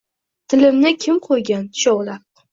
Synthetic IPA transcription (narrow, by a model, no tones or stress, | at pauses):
t̪ʰɪlɪmnɪkʲʰɪmqʰojɡʲant̪ʰɪ̥ʃɒwlaɾ